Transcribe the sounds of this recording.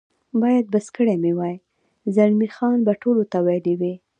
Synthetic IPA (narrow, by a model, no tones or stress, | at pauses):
bɑjad̪̚bəskəɽemewɑj | zanmixɑnbaʈolot̪awalewi